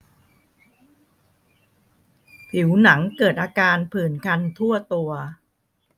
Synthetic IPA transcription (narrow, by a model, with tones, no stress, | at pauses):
pʰi˩˦wna˩˦ŋkɤː˨˩t̪̚ʔaː˧kaː˧npʰɯː˨˩nkʰa˧nt̪ʰu˥˩ɐt̪u˧ɐ